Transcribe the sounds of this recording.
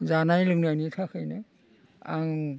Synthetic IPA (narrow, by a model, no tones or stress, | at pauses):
zanajluknanitʰakʰɯjna | a̰ŋ